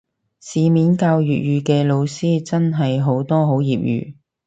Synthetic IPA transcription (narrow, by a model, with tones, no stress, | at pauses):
siː˨˧miː˨˥nkaː˧wjyː˨t̚jyː˨˧kɛː˧lo˨˧wsiː˥t͡sɐ˥nɦɐ˨jɦo˨˥wt̪ɔː˥ɦo˨˥wjiː˨p̚jy̰ː˨˧